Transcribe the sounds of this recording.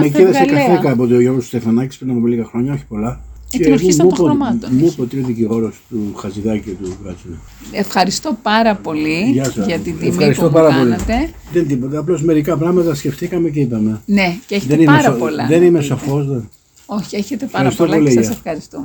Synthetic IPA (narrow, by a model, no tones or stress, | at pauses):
mekiðɐsekɐθekɐp̬ot̪ioʝoɾɣost̪ust̪efɐnɐci̥spɾinɐpomeliɣɐxɾoɲɐçi̥po̞lɐezmmupoɐmɐt̪mupot̪ieðiciɣo̞ɾost̪uxɐziðɐcit̪ukɾɐt͡sunɐ | efxɐɾist̪opɐɾɐpo̞liʝɐsɐsʝɐt̪iðiefxɐɾist̪opɐɾɐpo̞lit̪e | ðent̪ipot̪ɐːplo̞sme̞ɾikɐpɾɐɣmɐt̪ɐsce̞ft̪ikɐme̞ceipɐme̞neceðenimesoolɐðe̞nimesofo̞sðe | oçieçet̪efɐxɐɾist̪olpo̞lisɐefɐɾist̪o